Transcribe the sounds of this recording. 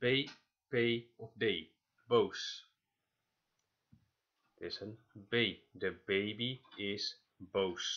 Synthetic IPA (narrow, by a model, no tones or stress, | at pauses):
b̥e | pejɔfdeː | bows | d̪̥ɛsən | beɪdəbeːbiɪs | bows